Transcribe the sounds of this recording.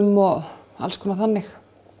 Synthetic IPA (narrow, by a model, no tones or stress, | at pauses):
ʏmɔa̰lskʰɔːnaθanːɪx